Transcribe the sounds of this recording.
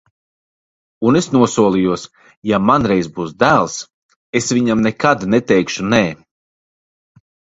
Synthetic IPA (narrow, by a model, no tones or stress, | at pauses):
unesnuɔsuɔlˠijuɔs | jamanɾɛjzbuːsd̪æːlˠs | esvʲiɲamnɛkad̪nɛt̪ɛjkʃunɛː